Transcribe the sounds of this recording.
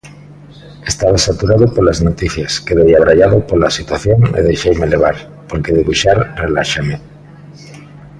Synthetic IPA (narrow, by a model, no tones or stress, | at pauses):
est̪aβasat̪uɾaðopolaznot̪iθjaskeðejaβ̞ɾaʎaðopolasit̪waθjoŋḛð̞ejʃejmeleβ̞aɾ | poɾkeðeɣuʃaɾrelaʃame